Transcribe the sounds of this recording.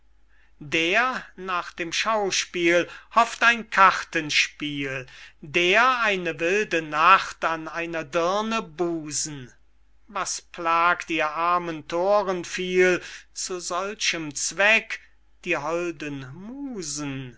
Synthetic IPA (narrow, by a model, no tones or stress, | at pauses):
deːɐnaːχd̥eːmʃaʊʃpiːlhɔftaɪnkʰaʁtənʃpiːldeːɐaɪnəvɪldənaχtanaɪnɐdɪɐnəbuːzn̩ | vaspʰlaːktiːɐʔaɐməntʰoːʁənfiːlt͡suzɔlʃəmt͡sv̥ɛk | d̥iːɦɔldənmuːzn̩